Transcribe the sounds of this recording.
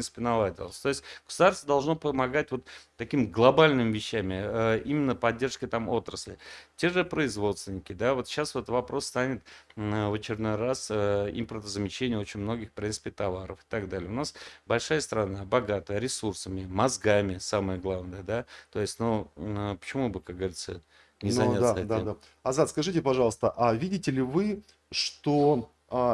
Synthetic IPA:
int̪sɨ̥pʲɪnɐlˠadʲɪ̰lˠəsʲt̪o̞jɪsʲt̚ʲɡ̥ə̥sʊd̪arst̪vəd̪ɐlˠʐno̞pəmɐɡatʲvo̞t̪ːɐkʲimɡlˠɐbalʲnɨmʲvʲɪɕːæmʲɪəimʲɪnːəpɐdʲːe̞rʂkət̪amo̞t̪ɾəsʲlʲɪtʲe̞ʐɨpɾəɪzvo̞t̪st̪vʲɪnʲɪkʲɪd̪avo̞t̪ɕasvot̪vɐpɾo̞sːt̪anʲɪt̪əvət͡ɕɪɾʲɪd̪no̞jrasəḭmpərt̪əzəmʲɪt͡ɕːenʲɪjəo̞t͡ɕɪnʲmno̞ɡʲɪxpɾʲint̪ɨ̥pʲɪt̪ɐvaɾə̰fɪ̥t̪aɡd̪alʲɪjəʊnasbɐlʲʂajəst̪ɾɐnabɐɡat̪əjəɾʲɪsursəmʲɪmɐzɡamʲɪsaməjəɡlˠavnəjəd̪at̪o̞jɪsʲtʲnupə̥t͡ɕɪmubɨkak̚ɡəvɐɾʲit̪sə | nʲɪzɐnat̪d̪ad̪a | ɐzat̪skɐʐɨtʲɪpɐʐɑlˠəst̪əʔavʲidʲɪtʲɪlʲɪvɨ | ʂt̪o

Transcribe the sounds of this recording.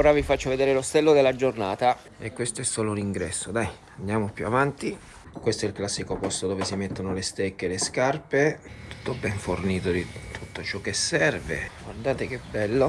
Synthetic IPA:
oːɾavifat͡ʃːoved̪eːɾelost̪ɛlːod̪elːad͡ʒornaːt̪a | ekwest̪oɛsːoːlouniŋɡɾɛsːod̪aj | and̪jaːmopjṵavant̪i | kwest̪oɛilklasːikopɔst̪od̪oːvesimet̪ːonolest̪ekːeleskarpet̪u̥t̪ːobɛɱforniːt̪od̪it̪ʰut̪ːot͡ʃɔk̟ːesːɛrvḛɡward̪aːt̪ek̟ebːɛlːo

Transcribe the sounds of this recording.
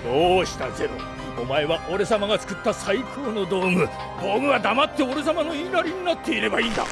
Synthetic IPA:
oːɕi̥t̪aze̞ɾo | omae̞βaʔo̞ɾe̞samaɡat͡sɨ̥kɯ̟t̪ːasaikʰo̞ːno̞d̪o̞ːmɯ̟ | d̪o̞ːmɯβad̪amat̪ːe̞o̞ɾe̞s̬amano̞inaɾʲiɲ̟inat̪ːe̞iɾe̞baĩːnd̪a̰

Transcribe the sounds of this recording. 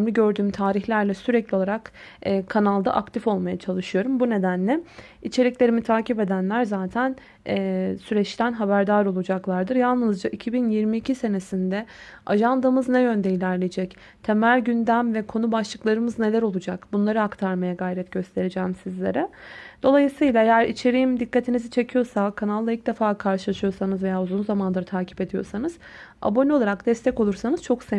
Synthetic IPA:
mlʲiɟø̞ɾd̪yːmt̪ʰaːɾiçlʲæɾlʲɛsyɾɛclʲio̞lˠaɾakːkʰːanalˠd̪a̰ʔakt̪ʰifo̞lˠmajat͡ʃʰalˠɯʃɯjo̞ɾumbune̞d̪ænlʲɛ | it͡ʃʰe̞ɾʲiclʲe̞ɾimit̪ʰaːcipe̞d̪ænlʲæɾzaːt̪ʰæn | ɛːsyɾɛt͡ʃt̪ʰænɦabæɾd̪aːɾo̞lˠud͡ʒaklˠaɾd̪ɯɾjalˠnɯzd͡ʒaʔicʰibinjiɾmiːcʰise̞nesind̪ɛaʒand̪ɯmɯznɛjø̞nd̪eilʲæɾlʲejd͡ʒɛc | t̪ʰe̞mælʲɟynd̪æmvɛkʰo̞nubaʃlˠɯklˠaɾɯmɯzne̞lʲæɾo̞lˠud͡ʒakbunlˠaɾɯakt̪ʰaɾmajaɡajɾɛt̪ɟ̥ø̞st̪ʰe̞ɾed͡ʒɛːmsizlʲe̞ɾɛd̪̥o̞lˠajɯsɯjlˠaejæɾit͡ʃʰe̞ɾijimd̪ikʰːat̪ʰinizit͡ʃʰe̞cʰijo̞sakʰanalˠːailʲc̚d̪efaːkʰaɾʃɯlˠaʃɯjo̞sanɯzve̞jaːuzunzamanlˠaɾɯt̪ʰaːcʰi̥pe̞d̪ijo̞̰sanɯz̥ | a̰bo̞nio̞lˠaɾakd̪̥ɛst̪ʰɛco̞lˠuɾsanɯz̥t͡ʃʰo̞kse

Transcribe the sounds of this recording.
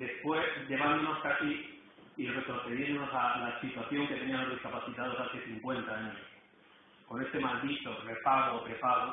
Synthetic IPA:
d̪e̞spwe̞sʎe̞β̞and̪onoskasi | ire̞t̪ɾo̞θe̞ð̞je̞nd̪ono̞salasit̪waθjo̞ŋket̪e̞nĩamozðiskapaθit̪aðo̞saθeθiŋkwe̞nt̪aaɲoos | ko̞ne̞st̪e̞mald̪it̪o̞re̞paɣoːpɾe̞paɣo

